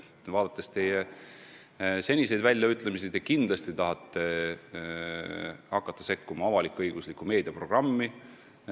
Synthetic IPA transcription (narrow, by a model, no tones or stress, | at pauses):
vɑːd̪̥ɑt̪ːˑest̪eje | se̞nʲise̞jd̪vælʲjɑyt̪ːˑlemisit̪ekind̪lɑst̪it̪ɑɦɑt̪ˑːe̞ | hɑkːˑɑt̪ˑːɑse̞kːumɑɑvɑlikːˑuɤjɡ̥uslikːˑume̞ːd̪̥iɑpro̞ɡ̥rɑmːi